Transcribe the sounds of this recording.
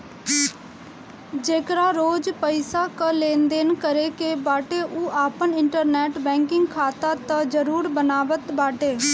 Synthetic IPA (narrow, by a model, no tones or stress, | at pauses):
d͡ʒeːkɾaːɾoːd͡ʒpəɪsaːkəlẽːnd̪eːnkəɾeːkeːbaːʈeːʔuaːpənɪɳʈəɾnɛːʈbɛ̃ːŋkɪŋɡkʰaːt̪aːt̪ãd͡ʒəɾuːɾbənaːʋət̪baːʈeː